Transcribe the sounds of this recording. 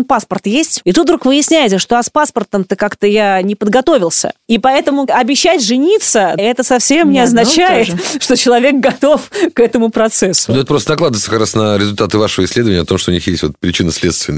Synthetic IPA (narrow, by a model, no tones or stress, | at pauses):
npaspərt̪jesʲtʲit̪ut̪vɾukvɨjɪsʲnʲæjɪt̪səʂt̪oaspaspərt̪əmt̪əkakt̪əjanʲɪpəd̪ɡɐt̪o̞vʲɪlˠsʲə̰ipɐɛt̪əmʊɐbʲɪɕːætʲʐɨnʲit̪səɛt̪əsɐfsʲemnʲɪɐznɐt͡ɕæjɪt̪ʂt̪o̞t͡ɕɪlˠɐvʲe̞k̚ɡɐt̪o̞fkɛt̪əmʊpɾɐt̪sɛsːʊnoɛt̪əpɾost̪ənɐklˠad̪vət̪əkakɾasnəɾʲɪzʊlʲt̪at̪ɨvaʂəvəɪsʲlʲed̪əvənʲəɐt̪omʂt̪oʊnixjesʲtʲvo̞̰t̪pɾʲɪt͡ɕinəsʲlʲet̪st̪vʲɪnə